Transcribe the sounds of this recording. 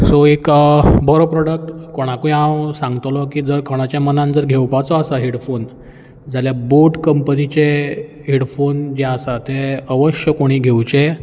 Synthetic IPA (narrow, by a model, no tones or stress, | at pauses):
sɔekbɔɾopɾɔɽək̚ʈkoɽ̃akuĩãwsãŋɡt̪lɔkiːd͡zəɾkʰəɽ̃at͡ɕjamənãnd͡zəɾɡʱewpat͡sɔasaɦeɽfon | d͡zaljaboʈkəmpənit͡ɕe | ɦeɽfond͡ʑeasat̪eəʋəɕjəkoɽ̃iːɡʱewt͡ɕe